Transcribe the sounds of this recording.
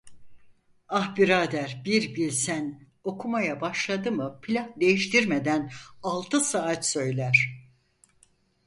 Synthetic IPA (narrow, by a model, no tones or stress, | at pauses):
ahbiɾaːd̪æɾbiɾbilʲsæn | o̞kʰumajabaʃlˠad̪ɯmɯpʰilʲahd̪e̞jiʃt̪ʰiɾmed̪ænalˠt̪ʰɯsaat̪sø̞jlʲæɾ̥